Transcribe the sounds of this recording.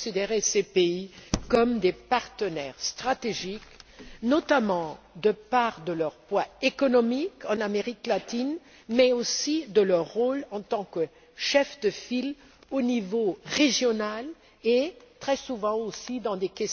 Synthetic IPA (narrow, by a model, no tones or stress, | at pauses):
sid̪eʁesepeikɔmd̪epaʁt̪ənɛʁst̪χat̪eʒiknɔt̪amɑ̃d̪əpaʁd̪əlœʁpwaekɔnɔmikɑ̃nameʁiklat̪in | mɛosid̪əlœʁːolɑ̃t̪ɑ̃kə | ʃɛfd̪əfil | onivoʁeʒjɔnal | et̪χɛsuvɑ̃osid̪ɑ̃d̪ekʲɛs